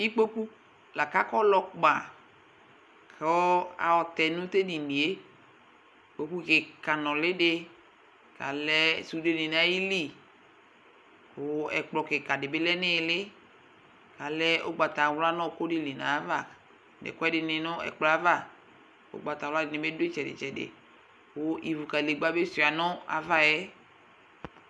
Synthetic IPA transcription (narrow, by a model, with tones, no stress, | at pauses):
i˦k͡po˦ku˦ | la˨ka˦kɔ˦lɔ˦k͡pa˨ | kʰe˨ɔ˦a̰˨ɔ˨t̪ɛ˨nʊ̃˦t̪e˦di˨mĩ˨e˦ | k͡po˨˦ku˦kɪ˨ka˨nɔ̃˨lɪ˦dɪ˦ | ka̰˨lɛ˦su˨de˨nɪ˨n˦a˦ji˦li˦ | ʊ˨ɛ̰˨k͡plɔ˨kɪ˨ka˨dɪ˨bɪ˦lɛ˦nɪ˦˨lɪ˦ | ka˨lɛ˦o̰˦ɡ͡ba˨t̪a˨wla˦nɔ̃˦˨ko˦dɪ˦le˨nã˨˦va˦˨ | dḛ˨kɔ˦ɛ˦dɪ˨nɪ˨nʊ˦ɛ̰˨k͡plɔ˨˦a˦va˦˨ | o̰˦ɡ͡ba˨ta˨wla˦ɪ˨nɪ̃˨be˦dʊ˦e˦t͡ʃɛ˨dɪ̰˨t͡ʃɛ˨dɪ̰˨ | wo˦ʔi˨vu˨ka˨le˨ɡ͡ba˦be˦su˨a˨nɔ˦a̰˨va˦jɛ˦